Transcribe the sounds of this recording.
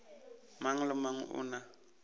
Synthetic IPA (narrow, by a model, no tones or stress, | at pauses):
maŋ̩lɪmaŋ̩ʔʊ̰na